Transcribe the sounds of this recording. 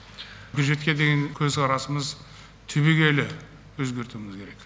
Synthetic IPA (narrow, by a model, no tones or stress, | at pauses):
kʲʰʊʒe̞t̪̚kʲe̞d̪eɡʲeŋkʲʰɵzqʰɑɾɑsəməz | t̪ʰɵbeɡʲe̞lɪ | wɵzɡʲe̞ɾt̪uɪmʲɪzkʲʰe̞ɾe̞k